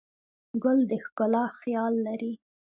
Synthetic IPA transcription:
ɡʊld̪əxkʊlɑxjɑlːaɾi

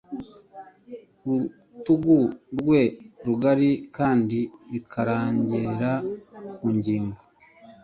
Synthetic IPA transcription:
ɾu | tuɡuɾɡwe̞ɾuɡaɾikaːndiɾikʰaɾaːɲɟiɾiɾakuːɲɟiːŋɡo

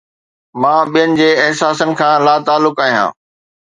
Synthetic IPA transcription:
mãːɓijənɪ̆d͡ʑeːɪɦsaːsənɪ̆kʰãːlaːt̪aːlːʊkaːɦijã̰ː

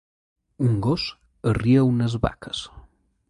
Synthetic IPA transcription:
uŋɡos | əriəunəzβa̰kəs

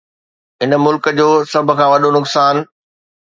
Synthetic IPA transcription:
ɦɪnə̆mʊlkəd͡ʑoːsɐbʱʊ̆kʰãːʋɐɗonʊksaːn

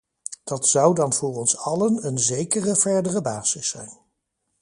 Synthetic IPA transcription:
d̥ɑtsɑwdɑnvʊːɹɔnsɑlənənzejkərəv̥ɛɹdərəbaːz̥ɪsːɛjn

